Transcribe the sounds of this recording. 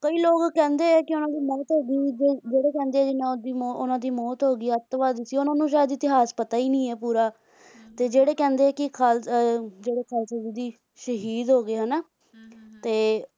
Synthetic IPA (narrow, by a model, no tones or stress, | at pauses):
kəiːloːkkɛ̃ːnd̪eːɛːkɪʊnãːd̪iːmɔːt̪ɦoːɡiːʋiːd͡ʒed͡ʒeːɽeːkɛ̃ːnd̪eːɛːd͡ʒɪnãːd̪iːʊnãːd̪iːmɔːt̪ɦoːɡiːɛt̪ːʋaːd̪iːsiːʊnãːnũːʃaːjəd̪ɪt̪ɪɦaːspət̪aːiːnĩːɛːpuːɾaː | t̪eːd͡ʒeːɽeːkɛ̃ːnd̪eːɛːkɪkʰaːld͡ʒeːɽeːkʰaːlsezid̪iː | ʃəɦiːd̪ɦoːɡeːɦənaː | t̪eː